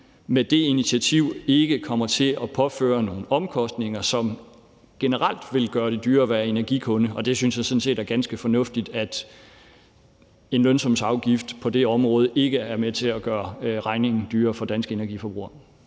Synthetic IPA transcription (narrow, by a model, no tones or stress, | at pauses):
med̥e̝iniiæt͡sʰiʊ̰e̝ɡ̥əkʰɒ̽mɐt͡sʰe̝lɒ̽pʰɒ̽fø̰ːɐno̝ːn̩ɒ̽mkʰɒ̽sd̥ne̝ŋɐsɒ̽m | ɡ̥enəʁal̰d̥ʋe̝lɡ̥ɶːɐɾ̥ed̥yːɐʋæɐe̝næɐɡ̥ikʰɔ̽nəɒ̽d̥e̝synsjhæsɔ̽n̩se̝̰ːdæɐɡ̥ænsɡ̥əfɒ̽nɔ̽fd̥id̥æd̥ | e̝nlønsɒ̽msɑ̈ʊɡ̥ifd̥pʰɒ̽d̥e̝ɒ̽mʁɔ̽ːð̞ˠəʔe̝ɡ̥əæɐmet͡sʰe̝læɡ̥ɶːɐʁɑ̈ɪne̝ŋn̩d̥yːɐfɒ̽d̥ænsɡ̥əe̝næɐɡifɒ̽b̥ʁṵːɐ